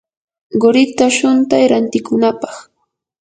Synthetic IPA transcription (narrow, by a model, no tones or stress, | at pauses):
ɢoɾɪt̪aʃʊnt̪ajɾant̪ɪkʊnapɑχ